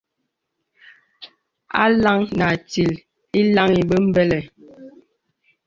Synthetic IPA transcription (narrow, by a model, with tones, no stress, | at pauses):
a̰˦la˦ŋna˨ti˨l | i˦la˦ŋi˨bə˦m̩˦bɛ˦lɛ˨